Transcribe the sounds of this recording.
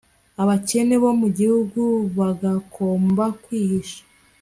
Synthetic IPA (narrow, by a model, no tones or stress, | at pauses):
aβace̞ne̞βo̞muɟihuɡuβaɡakʰoːmbakwiːhiʃḁ